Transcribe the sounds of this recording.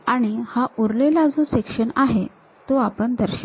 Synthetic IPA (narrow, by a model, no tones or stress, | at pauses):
aɽ̃ihaʔuɾlelad͡zosekʂəɳaɦe | t̪oapəɳd̪ʱəɾɕə